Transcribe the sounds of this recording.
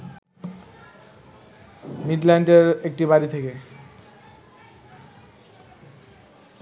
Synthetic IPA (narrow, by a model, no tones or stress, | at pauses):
miɖlɛɳʈeɾek̚ʈibaɾit̪ʰeke